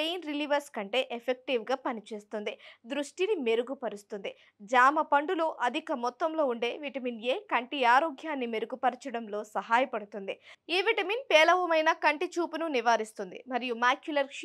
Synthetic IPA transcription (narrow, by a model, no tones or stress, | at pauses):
ejnɾiliːʋɐɾskɐɳʈe̞ːʔepʰek̚ʈiʋɡaːpɐnit͡ʃe̞ːst̪und̪id̪ɾuʂʈinime̞ɾuɡupɐɾust̪und̪i | d͡ʒaːmɐpɐɳɖuloːʔɐd̪ʱikɐmɔt̪ːɐmlo̞ːuɳɖe̞ːʋiʈɐminje̞ːkɐɳʈiaːɾoːɡjaːnːimeɾuɡupɐɾit͡ʃɐɽɐmlo̞ːsɐɦaːjɐpɐɽut̪und̪iiːʋiʈɐminpɛːlɐʋɐmɐjnɐkɐɳʈit͡ʃuːpununiʋaːɾist̪und̪ḭmɐɾijumaːkjulɐɾ